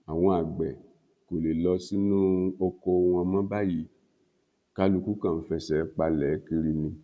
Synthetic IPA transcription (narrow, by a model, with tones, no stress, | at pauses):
a˨w̃ɔ̃˧a˨ɡ͡bɛ˨ | ko˨le˨lɔ˧˦si˦nũ˦o˧kɔ˧˦w̃ɔ̃˧mã˦ba˦ji˨˦ | ka˦lu˧ku˦kã˦˨n̩˦fɛ˧sɛ˨˦k͡pa˧lɛː˨˦ki˧ɾi˧nĩ˧